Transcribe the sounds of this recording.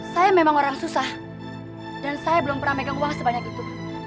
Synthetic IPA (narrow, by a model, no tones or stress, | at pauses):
sajamemaŋoɾaŋsusah | dansajabəlʊmpəramajkanuwaŋsəbaɲakit̪u